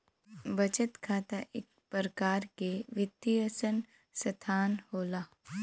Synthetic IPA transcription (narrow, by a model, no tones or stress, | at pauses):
bɐt͡ʃət̪kʰaːt̪aʔɪ̰k | pəɾəkaːɾkeʋɪt̪ːiəsən | sɐt̪ʰaːnhoːlaː